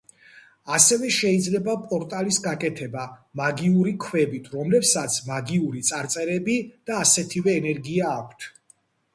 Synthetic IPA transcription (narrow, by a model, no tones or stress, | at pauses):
asɛvɛʃɛid̪zlɛbapʼɔɾt̪ʼalisɡakʼɛt̪ʰɛbamaɡiuɾikʰwɛbit̪ʰɾɔmlɛpsat̪sʰmaɡiuɾit̪sʼaɾt̪sʼɛɾɛbid̪̥aːsɛt̪ʰivɛːnɛɾɡiaːkʷʰt̪ʰ